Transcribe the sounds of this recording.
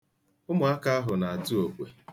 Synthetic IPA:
ʊ˦mʊ˨a˦ka˦a˦ɦʊ˨na˨a˨tu˦o˨kʷe˨

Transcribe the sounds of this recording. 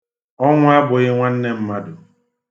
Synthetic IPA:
ɔ˦ŋʷʊ˦a˦bʊ˨ɣɪ˦ŋʷa˦n̩˦ne˦m̩˦ma˦dʊ˨

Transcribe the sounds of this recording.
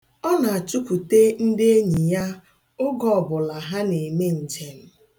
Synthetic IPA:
ɔ˦na˨a˨t͡ʃu˦kʷu˨te˦n̩˦de˦e˦ɲi˨ja˦ | ʊ˦ɡɔ˦ɔ˨bʊ˨la˨ɦa˦ne˨me˦n̩˨t͡ʃe˨n̩˦

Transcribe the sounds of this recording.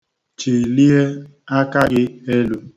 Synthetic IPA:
t͡ʃi˨li˦e˦ | a˦ka˦ɡɪ˦e˦lu˦

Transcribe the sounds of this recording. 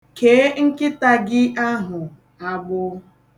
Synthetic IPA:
ke˨˦ŋ̩˦kɪ˦ta˦ɡɪ˦ʔa˦ɦʊ˨ | a˦ɡ͡bʊ˦

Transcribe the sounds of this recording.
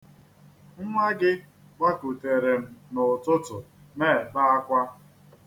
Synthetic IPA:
ŋ̩˦ŋʷa˦ɡɪ˦ | ɡ͡ba˦ku˨te˨ɾe˨m̩˦nʊ˨tʊ˦tʊ̰˨ | me˦˨ba˦a˦kʷa˦

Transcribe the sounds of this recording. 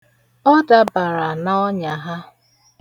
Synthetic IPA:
ɔ˦da˨ba˨ɾa˨na˦ɔ˦ɲa˨ɦa˦

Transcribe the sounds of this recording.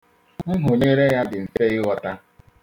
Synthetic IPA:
ŋ̩˦ɦʊ˨ɲe˦ɾe˦ja˦dɪ˨n̩˨fe˦ɪ˦wɔ˦ta˦

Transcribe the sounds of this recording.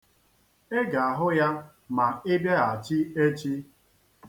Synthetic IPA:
e˦ɡa˨a˨ɦʊ˦ja˦ | ma˨ɪ˦bje˦a˨t͡ʃi˦e˦t͡ʃi˦

